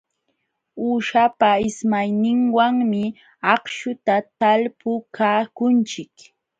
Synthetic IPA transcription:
uːʃapaɪsmajnɪŋwaŋmɪ | ɑχʃʊt̪at̪alpʊkaːkʊnt͡ʃɪk

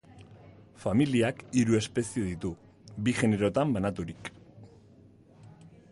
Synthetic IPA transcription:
familiakiɾue̞spe̞sieðit̪u | biʝe̞ne̞ɾo̞t̪ambanat̪uɾik

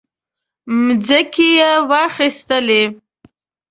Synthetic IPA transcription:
mzəkijewɑxist̪əle

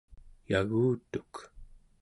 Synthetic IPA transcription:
jaɣuːt̪u̥k

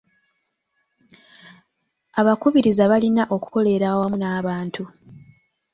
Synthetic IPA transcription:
aβakuβiɾizaβalinaʔo̞ku̥ko̞le̞ɾawamunaːβaːntʰu

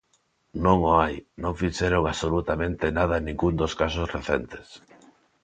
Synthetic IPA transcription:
nõŋoajnõŋfiʃeɾoŋasolut̪amẽnt̪enaðɐenĩŋɡund̪oskasosreθḛnt̪e̥s

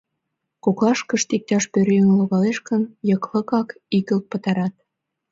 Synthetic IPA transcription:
koklɑʃkə̆ʃt̪ik̚t̪ɑʃpøɾynloɣɑleʃkə̆njɤ̆klɤ̆kɑk | ikə̆lk̪̚pə̆t̪ɑɾɑt̪̚

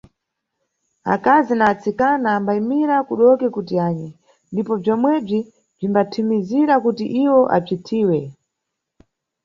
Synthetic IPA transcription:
a̰kazinaːt͡sikanaːmbaimiɾakuɗɔkɛkutiaːɲɛ | ndipɔb͡ʐɔmwɛb͡ʐi | b͡ʐimbatʰimiziɾakutḭʔiwɔʔa̰b͡ʐitʰiːwɛ

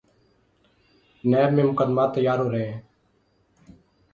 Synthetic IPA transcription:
neːbmẽːmʊkəd̪maːt̪ːəjaːɾɦoːɾeẽː

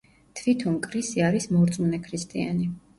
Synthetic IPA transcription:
t̪ʰvit̪ʰɔnkʼɾisiaɾismɔɾt̪sʼmunɛkʰɾist̪ʼia̰ni

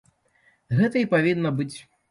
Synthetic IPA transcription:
ɣɛt̪ɐipavʲinːɐbɨt͡sʲ

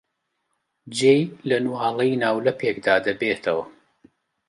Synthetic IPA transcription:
d͡ʒeːjlɐnuaːlˠɐjnaːwlɐpʰekd̪aːd̪ɐbeːt̪ʰɐwɐ

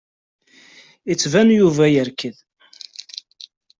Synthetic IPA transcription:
it͡sːvænjuvæjəɾkəð

